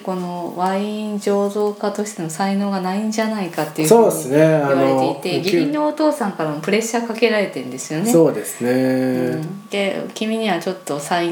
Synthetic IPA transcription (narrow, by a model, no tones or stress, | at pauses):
ko̞no̞βaĩɲd͡ʑo̞ːzo̞ːkat̪o̞ɕi̥t̪e̞no̞saino̞ːɡanaĩɲd͡ʑanaikat̪ːe̞i̟so̞ːsɨne̞anoɾet̪e̞iit̪e̞ɡʲimʲinːo̞ːt̪o̞ːsãŋkaɾamopɯ̟ɾe̞ɕakake̞ɾaɾe̞t̪ẽ̞nd̪e̞sɨjo̞nesoːd̪e̞sɨneɯ̃d̪̥ekʲimʲiɲ̟iβat͡ɕo̞t̪ːo̞sai